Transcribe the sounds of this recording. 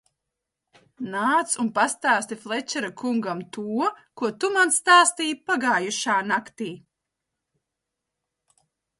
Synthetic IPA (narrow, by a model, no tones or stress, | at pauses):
naːt̪sunpast̪aːst̪ʲiflˠɛt͡ʃɛɾakuŋɡamt̪uɔkuɔt̪umansːt̪aːst̪iːpaɡaːjuʃaːnakt̪iː